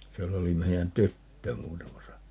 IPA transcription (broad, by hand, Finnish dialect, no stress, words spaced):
sielː oli meiæn tytːø muːtɑmɑsɑ